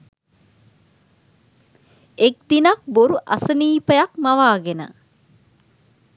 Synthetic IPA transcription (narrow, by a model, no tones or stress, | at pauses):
ek̚d̪inak̚boɾuʔa̰səniːpəjakmaʋaːɡenə̰